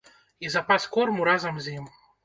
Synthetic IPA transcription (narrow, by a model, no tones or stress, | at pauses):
izapaskoɔrmuɾazɐmzʲim